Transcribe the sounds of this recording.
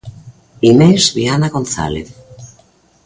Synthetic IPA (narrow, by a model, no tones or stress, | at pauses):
imezβianaɣonθa̰lḛθ